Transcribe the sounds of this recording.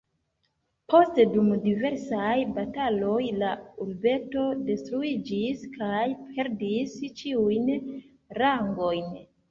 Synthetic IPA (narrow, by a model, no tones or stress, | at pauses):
po̞stedumdive̞ɾsajbatalo̞jlauɾbe̞to̞de̞stɾuid͡ʒiskʰajpʰe̞ɾdist͡ʃiujn | ɾaŋɡo̞jn